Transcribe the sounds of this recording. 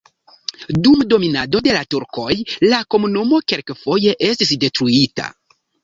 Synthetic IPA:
dumdo̞minado̞de̞latuɾko̞jlako̞munumo̞ke̞lkfo̞je̞ʔe̞stisde̞tɾuita̰

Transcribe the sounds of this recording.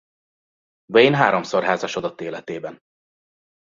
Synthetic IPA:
bɛjnɦaːɾomsorɦaːzaʃod̪ɒt̪ːeːlɛt̪eːbɛn

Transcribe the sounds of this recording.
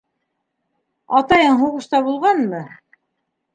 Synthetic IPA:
ɑt̪ɑjɤɴɦuʁɤ̆ʃt̪ɑbulˠʁɑnmɤ

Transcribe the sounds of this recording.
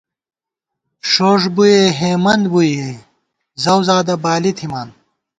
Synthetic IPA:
ʂoːʂbujeɦeːmɐnd̪buje | zɐwzaːd̪ɐbaːlit̪ʰimaːn

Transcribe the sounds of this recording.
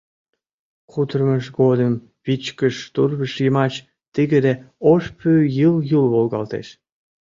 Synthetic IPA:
kut̪ərməʃɡod̪əm | βit͡ɕkəʃt̪urβəʃjəmɑt͡ɕ | t̪iɣed̪eoʃpʰyjɯljulβolɣɑ̰lt̪ḛʃ

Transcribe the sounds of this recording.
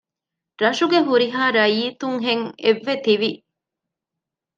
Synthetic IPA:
ɾɐʃuɡeɦuɾiɦaːɾɐjiːt̪uŋɦeŋeʋːet̪iʋi

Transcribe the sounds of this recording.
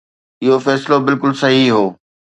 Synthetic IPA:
ɪɦofɛːsɪlobɪlkʊlsɐɦiɦoː

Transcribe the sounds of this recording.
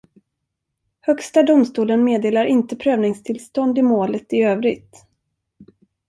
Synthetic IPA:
hœkst̪ad̪ʊmst̪uːlənmeːd̪eːlaɾɪnt̪əpʰɾøːvnɪŋst̪ʰɪlst̪ɔnd̪ɪmoːlət̪ɪøːvɾɪɡ̚t̪

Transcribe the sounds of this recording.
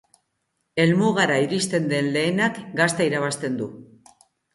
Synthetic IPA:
e̞lmuɣaɾaiɾist̪e̞nd̪e̞nle̞ːnakɡast̪aiɾaβ̞ast̪e̞nd̪u

